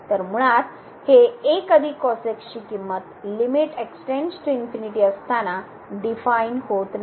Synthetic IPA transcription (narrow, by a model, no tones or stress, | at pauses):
t̪əɾmuɭat̪ | heːkəd̪ʱiːkɔsekɕiːkimːət̪limiʈeksʈend͡ʑʈinfiniʈiːəst̪ana | ɖifainɦot̪n